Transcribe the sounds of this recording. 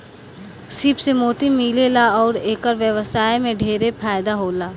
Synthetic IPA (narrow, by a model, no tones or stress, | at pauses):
siːpsemoːt̪imiːlelaɔːɾeːkəɾʋjəʋəsaːjmẽɖʱeːɾepʰaːɪd̪aɦoːlaː